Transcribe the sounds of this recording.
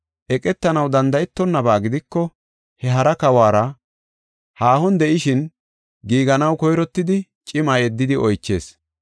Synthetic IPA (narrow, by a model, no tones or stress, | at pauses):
ʔɛkʼɛt̪ːɐnɐwd̪ɐnd̪ɐjɛt̪ːɔnːɐbaːɡɪd̪ɪkːɔ | hɛɦɐɾɐkɐwaːɾɐ | haːhɔnd̪ɛʔɪʃɪn | ɡiːɡɐnɐwkɔjɾɔt̪ːɪd̪ɪ | t͡ʃʼɪmajɛd̪ːɪd̪ɪɔjt͡ʃːe̞̰ːs